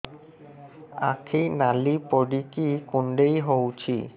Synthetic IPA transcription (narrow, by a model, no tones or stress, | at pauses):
a̰kʰinalipoɖikikuɳɖejɦowt͡ɕʰi